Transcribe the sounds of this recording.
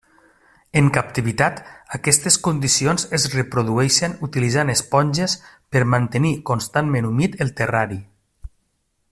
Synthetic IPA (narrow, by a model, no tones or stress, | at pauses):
əŋkap̚t̪iβit̪at̪əkɛst̪eskond̪isionzezrepɾuðuɛʃenut̪ilizanəspɔnʲʒespəɾmant̪ənikonst̪anmenumit̪əlˠt̪eraɾi